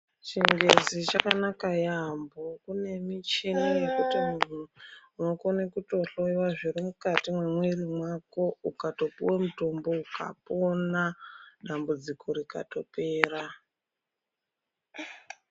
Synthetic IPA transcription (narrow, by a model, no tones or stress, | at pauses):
t͡ʃiŋɡezit͡ʃakanakajambokune̞mit͡ʃinajekutimun̤uunokonekuto̞ɬoiwaʐiɾimukatimwemweɾimwako̞ukato̞pḭwemuto̞mbo̞uka̰ponaɗambud͡zikʰo̞ɾika̰to̞pe̞ːra